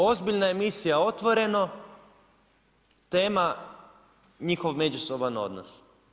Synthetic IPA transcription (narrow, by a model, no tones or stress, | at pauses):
o̞zbiʎnaemisijao̞t̪ʋo̞ɾe̞no | t̪e̞ːma | ɲixo̞ʋme̞d͡ʑusobano̞̰d̪na̰s